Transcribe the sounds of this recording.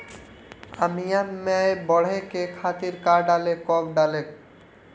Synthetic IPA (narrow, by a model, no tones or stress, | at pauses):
a̰mijammɛebɔɽ̤ekekʰat̪iɾkaɾɖalekɔkɖalek̚